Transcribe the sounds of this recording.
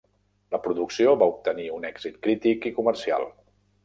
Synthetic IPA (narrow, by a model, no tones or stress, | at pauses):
ləpɾuðuksioβaup̚t̪əniunɛɡzit̪kɾit̪ikikuməɾsia̰lˠ